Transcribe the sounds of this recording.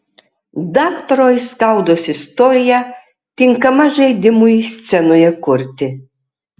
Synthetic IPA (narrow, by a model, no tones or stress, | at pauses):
d̪ɑːkt̪ɔɾoːjskɐˑʊd̪oːsɪst̪ɔːɾʲɪjæ | t̪ʲɪŋkɐmɐʒɐɪd̪ʲɪmʊjsʲt̪sʲɛnoːjɛkʊɾʲt̪ʲɪ